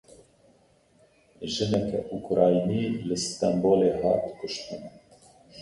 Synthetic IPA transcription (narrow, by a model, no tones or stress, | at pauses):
ʒɨnɛkɛ̰ʔukɾɑːjiniːlɨst̪ɑmboːleːɦɑːt̪kʊʃt̪ɨnɛ